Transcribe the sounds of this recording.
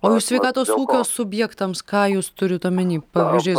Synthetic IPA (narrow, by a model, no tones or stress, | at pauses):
oːɪʃsʲʋʲɛɪkɑːt̪oːsuːkʲoːsʊbʲjɛːkt̪ɐmskɑːjuːst̪ʊɾʲɪt̪ɐmʲɛnʲiːpɑːʋʲiːzʲd͡ʒʲʊɪ